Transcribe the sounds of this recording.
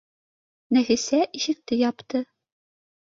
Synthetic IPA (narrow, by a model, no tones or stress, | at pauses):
næfisæʔiʃɘ̆k̚t̪ɘjɒpt̪ɤ